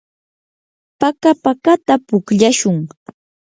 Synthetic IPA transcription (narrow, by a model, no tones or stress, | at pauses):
pakapakat̪apʊkʎaʃʊŋ